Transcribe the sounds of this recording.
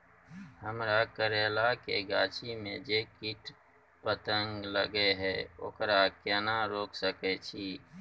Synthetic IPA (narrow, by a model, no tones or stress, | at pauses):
həmɾakəɾeːlakḛɡaːt͡ʃʰimẽd͡ʒekɪʈ | pət̪əŋɡləɡeɦɛːo̰ːkɾakɛːnaɾoːksəket͡ʃʰiː